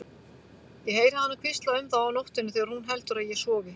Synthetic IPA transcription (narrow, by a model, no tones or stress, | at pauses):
jɛheːjɾahanːakʰvɪst̪laʏmðaːwnowht̪ʏnːʏθɛːɣaɾhunɦɛlt̪ʏɾaðjɛsɔːɣɪ